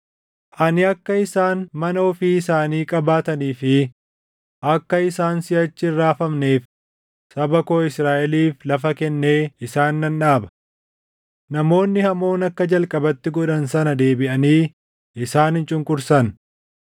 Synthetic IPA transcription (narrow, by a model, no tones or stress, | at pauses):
ʔɐnɪɐkːɐɪsaːnmɐnɐɔfiɪsaːniːkʼɐbaːt̪ɐniːfɪ | ʔɐkːɐɪsaːnsɪɐt͡ʃːɪɪrːaːfɐmne̞ːf | sɐbɐkoːɪsɾaːʔɛliːflɐfɐkɛnːe̞ːɪsaːnːɐnᶑaːbɐ̥ | nɐmo̞ːnːɪhɐmo̞ːnɐkːɐd͡ʒɐlkʼɐbɐt̪ːɪɡɔᶑɐnsɐnɐd̪e̞ːbɪʔɐniː | ʔɪsaːnhɪnt͡ʃʼʊŋkʼʊɾsɐn